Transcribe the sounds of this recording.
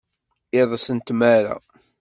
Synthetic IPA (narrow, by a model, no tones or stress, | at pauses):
ɪðˤsənt̪mæɾa̰